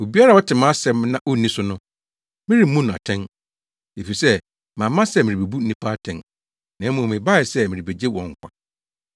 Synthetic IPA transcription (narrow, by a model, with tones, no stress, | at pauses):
o˨bi˦a˦ɾa˨wɔ˦tʰɪ˨mã˦sɛ˨mnã˦ʔo˦nĩ˦sʊ˦nʊ̃˦ | mɪ̃˦ɾi˨˦mũ˦ñ˨a̰˨tʰɛ̃˦n | e˨fi˨sɛ˦ | mã˨mːã˦sɛ˦mɪ̃˨ɾi˨be˨bu˦n̩˦nĩ˦pʰa˦tʰɛ̃˨n | nã˨˦mũ˨mɪ̃˨ba˦ɪ˨sɛ˦mɪ̃˨ɾi˨be˨d͡ʑe˦wɔ̰̃˨ŋ̩˦˨kʷa˦